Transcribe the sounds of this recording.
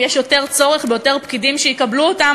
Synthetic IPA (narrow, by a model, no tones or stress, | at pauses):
jeʃjo̞te̞ʁt͡so̞ʁeχbejote̞ʁpkidimʃejikabluota